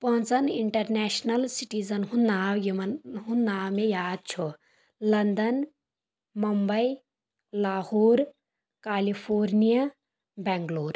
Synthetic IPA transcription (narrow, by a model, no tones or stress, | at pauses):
pɐɦʊ̃nt͡sɐniɳʈɐɾnɛːʃnɐlsiʈiːzɐnɦũnaːʋjimɦunːaːʋmejaːd̪̚t͡ʃʰo | lɐnd̪ɐn | mɐmbɐi | laːhoːɾ | kaːlipʰoːɾnija | bɛːŋɡloːɾ